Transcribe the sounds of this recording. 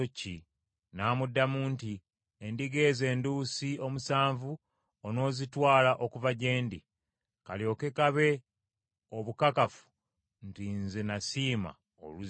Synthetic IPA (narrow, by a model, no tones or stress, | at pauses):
ocːi | naːmudːamuːnti | endiɡe̞ːze̞ːnduːsiomusaːɱvu | ono̞ːzitwaːlaʔo̞kuvaɟe̞ːndḭ | kaljo̞ke̞kaβe̞ | oβukakafu̥ | ntinzenasiːma̰ | o̰luz